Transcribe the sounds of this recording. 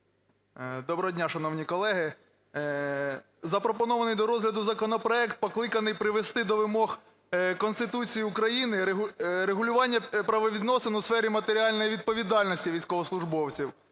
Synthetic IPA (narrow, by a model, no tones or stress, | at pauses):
d̪ɔbɾɔɦɔdʲnʲaʃɐnɔwnʲikɔlˠɛɦɪ | zɐpɾɔpɔnɔʋɐnɪjd̪ɔɾɔzɦlʲɐd̪ʊzɐkɔnɔpɾɔɛkt̪̚pɔklˠɪkɐnɪjpɾɪʋest̪ɪd̪ɔʋɪmɔɦ | kɔnst̪ɪt̪ut͡sʲijiukɾɐjinɪɾeɦʊlʲʊʋɑnʲːɐpɾɐʋɔʋʲid̪nɔsenʊsfɛɾʲimɐt̪eɾʲiɑlʲnɔjiʋʲid̪̚pɔʋʲid̪ɑlʲnɔsʲtʲiʋʲijsʲkɔɦɔslˠʊʒbɔwt͡sʲiw